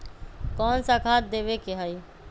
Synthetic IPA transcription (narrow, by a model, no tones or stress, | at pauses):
kɔːnsakʰaːt̪̚d̪eːbekeɦəi